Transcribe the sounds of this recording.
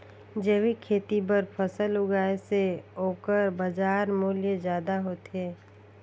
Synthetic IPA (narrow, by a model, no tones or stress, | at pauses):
d͡ʒeːwikʰeːt̪ibəɾpʰəsəlʊɡaːeseɦoːkəɾbəd͡ʒaːɾmuːljəd͡ʒjaːd̪aɦoːt̪eː